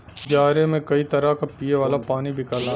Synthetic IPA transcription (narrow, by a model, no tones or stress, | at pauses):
d͡ʒaːɾẽmẽkɐit̪ɐɾakapiːeʋaːlapaːnibʱɪkalaː